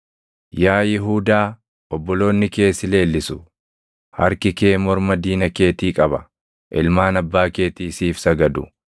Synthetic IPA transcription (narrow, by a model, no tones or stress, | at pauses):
jaːjɪɦuːd̪aː | ɔbːɔlo̞ːnːɪke̞ːsɪle̞ːlːɪsʊ | hɐ̰ɾkɪkeːmɔɾmɐd̪iːnɐke̞ːt̪iːkʼɐbɐ | ʔɪlmaːnɐbːaːke̞ːt̪iːsiːfsɐɡɐd̪ʊ̰